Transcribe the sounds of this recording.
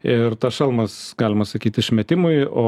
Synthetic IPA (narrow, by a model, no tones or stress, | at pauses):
ɪrt̪ɐsʃɐlˠmɐsɡɑːlʲɪmɐsɐkʲiːt̪ʲɪʃʲmʲɛt̪ʲɪmʊɪoː